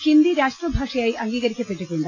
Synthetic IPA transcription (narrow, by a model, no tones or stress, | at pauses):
hind̪iɾaːʂʈrɐbʱaːʂɐjajʔɐŋɡiːɣɐɾikʲːɐpːe̞ʈːukːuɳɖ